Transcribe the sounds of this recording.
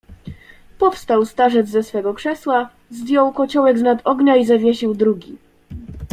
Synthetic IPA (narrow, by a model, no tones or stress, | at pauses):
pɔfst̪awst̪aʐɛd̪zːɛsfɛɡɔkʂɛswa | zvʲjɔwkɔt͡ɕɔwɛɡznad̪ɔɡɲaizavʲɲʲeɕiwd̪ɾuɡʲi